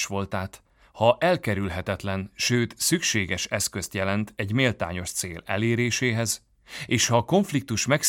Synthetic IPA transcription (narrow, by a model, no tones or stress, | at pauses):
ʃʋo̞lt̪aːt̪ | hɒʔɛlkɛɾylɦɛt̪ɛt̪lɛnʃøːt̪sykʃeːɡɛʃɛskøst̪jɛlɛnt̪ʰɛɟmeːlt̪a̰ːɲo̞ʃt̪seːlɛ̰leːɾeːʃeːɦɛz | eːʃhɒko̞ɱflik̚t̪uʃmɛks